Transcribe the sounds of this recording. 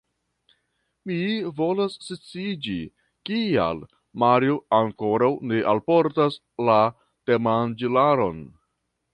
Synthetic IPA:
mivo̞lasːit͡sid͡ʒi | kia̰l | maɾjoaŋko̞ɾawneʔalpo̞ɾtas | la | temand͡ʒilaɾo̞n

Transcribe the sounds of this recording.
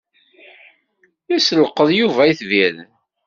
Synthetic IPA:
jæsələqːəðˤjuvæiθvið

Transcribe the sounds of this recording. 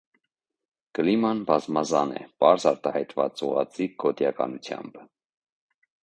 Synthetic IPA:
kəlimɑnbɑzmɑzɑnɛ̰pɑɾzɑɾt̪ɑhɑjt̪vɑt͡suʁɑt͡siɡɔt̪jɑkɑnut͡sʰjɑ̰mb̥

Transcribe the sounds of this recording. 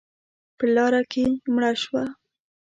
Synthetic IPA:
pəlɑɾakemɽaʃwa

